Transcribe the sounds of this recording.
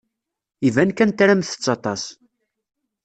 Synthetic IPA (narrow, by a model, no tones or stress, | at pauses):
ivænkænt̪ɾæmθə̥t͡sːɑt̪ˤɑs